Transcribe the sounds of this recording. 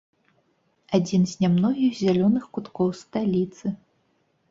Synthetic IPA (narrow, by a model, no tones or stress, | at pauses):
ad͡zʲinzʲnʲamnɔɣʲiɣzʲalʲɔnɨxkut̪kɔwst̪alʲit̪sɨ